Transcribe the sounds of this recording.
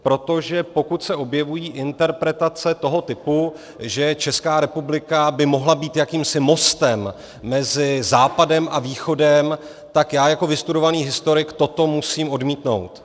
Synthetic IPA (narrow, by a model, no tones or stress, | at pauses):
pɾo̞t̪o̞ʒɛpo̞kut̪sɛʔo̞bjɛvujiːʔɪnt̪ɛɾpɾɛt̪at͡sɛt̪o̞ɦo̞t̪ɪpu | ʒɛt͡ʃɛskaːɾɛpublɪkabɪmoɦlabiːt̪jakiːmsɪmo̞st̪ɛmː | ɛzɪzaːpadɛmʔaviːxo̞dɛm | t̪akjaːjako̞vɪst̪uɾo̞vaniːɦɪst̪o̞ɾɪkt̪o̞t̪o̞musiːmʔo̞dmiːt̪no̞̰wt̪